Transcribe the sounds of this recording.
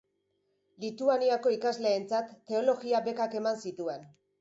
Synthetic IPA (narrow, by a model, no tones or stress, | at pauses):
lit̪uaniako̞ikazle̞ːnt͡sat̪ːe̞o̞lo̞ɣiabe̞kake̞mansit̪ue̞n